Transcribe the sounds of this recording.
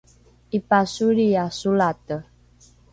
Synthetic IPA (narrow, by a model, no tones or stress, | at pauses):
ipasuɾiasulat̪ə